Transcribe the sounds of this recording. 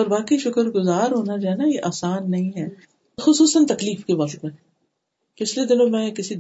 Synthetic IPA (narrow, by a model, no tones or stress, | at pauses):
ɔːɾbaːkiʃʊkəɾɡʊzaːɾɦoːnad͡ʒoːɦɛːnajeʔaːsaːnːɐɦĩɦɛː | xʊsuːsənt̪ɐkliːfkeʋɐqt̪ẽ | pɪt͡ʃʰled̪ɪnõmɛ̃ːkɪsi